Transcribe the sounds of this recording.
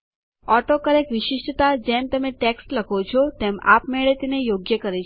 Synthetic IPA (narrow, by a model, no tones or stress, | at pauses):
ɔʈokəɾekʋɪʃɪʃʈət̪ad͡ʒɛmt̪əmeʈeksʈləkʰot͡ʃʰɔt̪ema̰pmeɭet̪inejoɡjəkəɾet͡ʃ